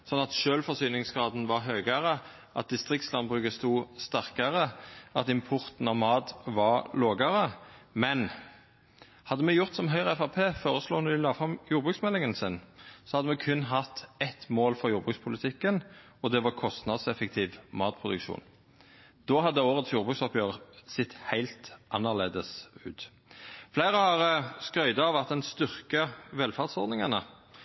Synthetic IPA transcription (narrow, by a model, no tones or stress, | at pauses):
sɔnːɑt̪ʃøːlfɔsyːnɪŋsɡʁɑːd̪n̩ʋɑʁɦøːɡəʁə | ʔɑ̰t̪̚d̪ɪst̪ʁɪkt̪slɑnbʁʉːɡəst̪uːst̪æʁkəʁəɑt̪ɪmpʰʊʁt̪n̩ɑʋmɑːd̪ʋɑʁloːɡəɾəmɛn | hɑd̪ːəmɛjʊʁt̪sɔmɦœʏʁəɛfɑpʰeːfoːʁəsloːnɔʋɪlɑːfʁɑmjuːɾbʁʉksmɛlːɪŋənsɪnsɔhɑd̪ːəmɛkʰʉnːɦɑt̪ːɛt̪moːlfɔʁjuːʁbʁʉkspʰʊlɪt̪ʰɪkːən | ɔd̪ɛʋɑʁkʰɔst̪nɑd̪sɛfək̚t̪ʰiːʋmɑːt̪pʰʁʊd̪ʉkʃṵːn | d̪̥oːhɑd̪ːəoːʁət̪sjuːʁbʉːksɔpjøːʁəsɪt̪ːhæɪlt̪ʔɑnːəʁleːd̪əsʉ̰ːt̪ | flæɪʁəhɑʁskɾœʏd̪ɑʋɑt̪̚d̪ɛnst̪ʏʁkəʋɛlfɑʁd̪sɔʁd̪nɪŋɑnə